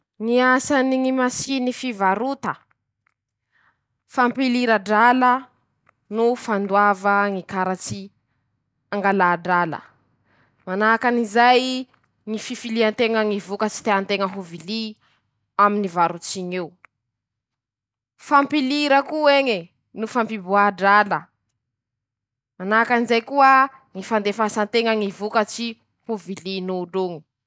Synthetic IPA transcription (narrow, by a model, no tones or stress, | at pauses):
ŋiasaniŋimasinifivaɾut̪ə | fampiliɾaɖ͡ʐalə | nufand̪uavəŋikaɾat͡si | aŋɡalaːɖ͡ʐalə̰ | manakanizaj | ŋififiliant̪eŋəŋivukət͡si̥t̪eant̪eŋəɦuvili | aminivaɾut͡siɲew | fampiliɾəkueŋe | nufampibuaɖ͡ʐalə | manakanizajkuə | ŋifand̪efasant̪eŋəŋivukət͡si | huvilinuːɖ͡ʐuŋi̥